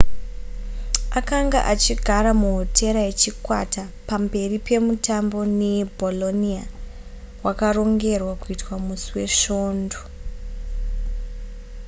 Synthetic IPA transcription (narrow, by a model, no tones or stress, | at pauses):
akaŋɡa̰ʔat͡ʃiɡʱaɾamuɦotʰe̞ɾajet͡ʃikwa̰tapambe̞ripe̞mutambo̞nebʱolo̞nia | wakaro̞ŋɡe̞rwakuitwamusiwe̞ʃo̞ːndo